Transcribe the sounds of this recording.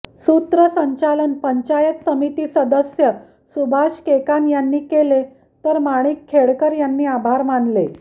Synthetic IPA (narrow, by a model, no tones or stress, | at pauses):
sut̪ɾəsəɲt͡ɕalənpəɲt͡ɕajət̪səmit̪iːsəd̪əsjə | subʱaɕkekanjanːiːkele | t̪əɾmaɽ̃iːkʰːeɭkəɾjanːiːabʱaɾmanle